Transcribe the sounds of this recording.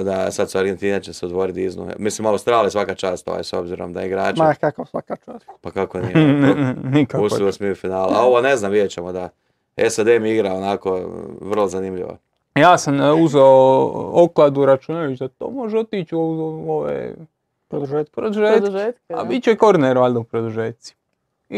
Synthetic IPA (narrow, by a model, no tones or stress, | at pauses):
d̪asad̪suaɾɡent̪iːnat͡ʃeseod̪ʋo̞ɾit̪iznṵmislimawst̪ɾaːlijesʋakat͡ʃaːst̪o̰ʋa̰jso̞bziɾo̰md̪aiɡɾaːt͡ʃkakasʋakat͡ʃaːspakakoninnnikapusiosmiufinaːlao̞ʋoneznamʋid̪jet͡ʃemod̪a | esad̪emiiɡɾaonakoʋrlˠozanimʎḭʋo̰ | jaːsamuzeooklˠad̪uɾat͡ʃunalit͡ʃd̪at̪o̰ːmo̞ʒeo̞t̪it͡ʃooʋḛ | pɾod̪uʒeɾod̪uʒetd̪uʒea̰bit͡ʃukoɾneɾʋald̪oupɾod̪uʒet̪si̥